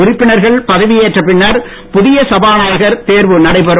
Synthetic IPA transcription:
ʊɾɪpːɪɳɐɾɣɐɭpɐðɐʋɪjeːʈrɐpːɪnːɐɾ | pʊðɪjɐsɐbaːnaːjɣɐɾt̪eːɾʋɯnɐɽɐɪpɐɾɯ

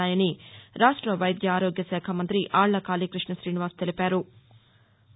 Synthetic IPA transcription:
aːjɐniɾaːʂʈɾɐʋɐjd̪jɐaːɾoːɡjɐsɛːkʰɐmɐnt̪ɾiʔaːɭːɐkaːliːkɾiʂɳɐsɾiːniʋaːɾst̪e̞lipaːɾu

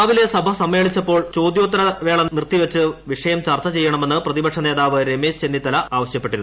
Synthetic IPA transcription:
ʋile̞sɐbʱɐsɐmːe̞ːɭit͡ɕːɐpːo̞ːɭt͡ɕo̞ːd̪jo̞ːt̪̬ːɐɾɐʋe̞ːɭɐnirt̪ːiʋɐt͡ɕːɨʋiʂɐjɐmt͡ɕɐrt̪ːɐt͡ɕe̞jːɐɳɐme̞nːɨprɐðibɐkʂɐneːðaːʋɨɾe̞meːɕt͡ɕe̞nːit̪ːɐlɐaːʋɐɕjɐpːe̞ʈiɾunːu

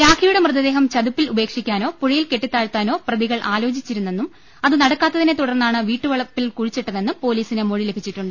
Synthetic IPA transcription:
jaːkʰɐjuɽemrɨðɐd̪e̞ːɦɐmt͡ɕɐðupːilube̞ːkʂikʲːaːno̞ːpuɻɐjilkeʈːit̪ːaːɻt̪ːaːno̞ːprɐðiɣɐɭʔaːlo̞ːt͡ɕit͡ɕːiɾunːe̞nːum | ɐðɨnɐɽɐkːaːt̪ːɐðinet̪uɽɐrnːaːɳɨʋiːʈːɨʋɐɭɐpːilkuɻit͡ɕːeʈːɐnːenːumpo̞ːliːsinɨmo̞ɻile̞bʱit͡ɕːiʈːuɳɖɨ

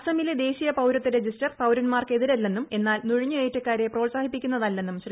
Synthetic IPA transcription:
sɐmiled̪e̞ːɕijɐpɐwɾɐt̪ːiɾe̞d͡ʑisʈɐrpɐwɾɐnmaːrke̞ðiɾelːe̞nːume̞nːaːlnuɻiɲːueːʈːɐkːaːɾe̞pro̞ːɭsaːhipːikʲːunːɐðɐlːe̞nːumɕri

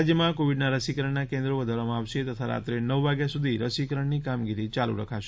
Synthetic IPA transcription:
d͡ʒjəmãkoʋiɖnaɾəsikəɾəɳnakẽnd̪ɾoʋəd̪ʱaɾamãaʋʃet̪ət̪ʰaɾa̰t̪ɾenəʋʋaɡjasud̪ʱiɾəsikəɾəɳnikamɡiɾit͡ʃalṵɾəkʰaʃe

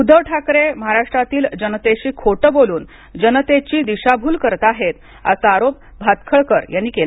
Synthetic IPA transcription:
ud̪ʱəʋʈʰakɾeməɦaɾaʂʈɾat̪iːld͡ʑənət̪eɕiːkʰoʈəboluːn | d͡ʑənt̪et͡ɕiːd̪iɕabʱuːlkəɾt̪aaɦet̪ | a̰saaɾop̚ | bʱat̪kʰəɭkəɾjanːiːkela

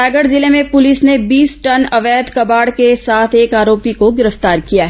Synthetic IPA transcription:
ɛːɡəɽzɪlẽmẽpʊlɪsnebiːsʈɐnɐʋɛːd̪kɐbaːɽkesaːt̪ʰeːkaːɾoːpikoɡɪɾəft̪aːɾkijaɦɛ

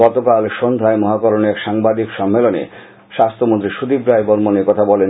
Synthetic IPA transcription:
ɔt̪okalʃond̪ʱaemɔɦakoɾonɛkʃaŋbad̪ikʃɔmːelonḛ | ʃast̪ʰomont̪ɾiʃud̪ibɾajboɾmonekɔt̪ʰabɔlen

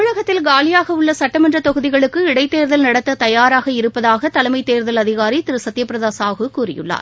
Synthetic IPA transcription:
ʊɭɐɣɐt̪ːɪlɡaːlɪjaːɣɐɯɭːɐsɐʈːɐmɐndrɐt̪ɔɣɯðɪɣɐɭɯkːɯɪɽɐɪt̪ːeːɾðɐlnɐɽɐt̪ːɐt̪ɐjaːɾaːɣɐɪɾɯpːɐðaːɣɐt̪ɐlɐmɐɪt̪ːeːɾðɐlɐðɪɣaːɾit̪ɪɾɯsɐt̪ːɪjɐpːɪɾɐðaːsaːɣɯkuːrɪ̰jɯ̰ɭːa̰ːɾ

